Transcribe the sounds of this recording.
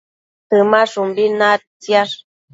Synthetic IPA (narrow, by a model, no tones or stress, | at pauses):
t̪ɨmaʂumbinat͡sjaʂ